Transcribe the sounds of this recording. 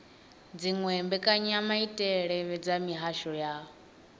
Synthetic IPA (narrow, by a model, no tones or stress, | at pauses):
d͡ziŋwɛmbɛkʼaɲamaitʼɛɺɛβɛd͡zamiɦaʃɔjaː